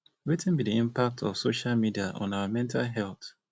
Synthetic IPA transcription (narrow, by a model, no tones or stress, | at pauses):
ɹitn̩bidiĩmpak̚tʰɔfsoʃalmidiaʔɔ̰̃nawamɛ̃ntʰalɦɛlˠθ